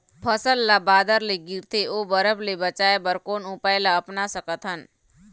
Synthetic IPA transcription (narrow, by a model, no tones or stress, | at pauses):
pʰəsəlːabaːd̪əɾleɡɪɾt̪ʰeʔobəɾəblebət͡ʃaːebəɾkoːnupaːjlaɐpnasəkət̪ɦən